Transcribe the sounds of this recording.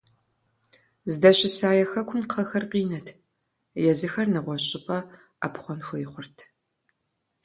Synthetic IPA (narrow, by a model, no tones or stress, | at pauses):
zɨdɐɕʼɪsaːjɛxɐkʷʰʊmqʰɐxɐrqiːnɐtʰ | jɛzɨxɐrnɨʁʷɔɕʼɪpʼɐ | a̰pχʷɔnxʷɔjɪχʷʊrtʰ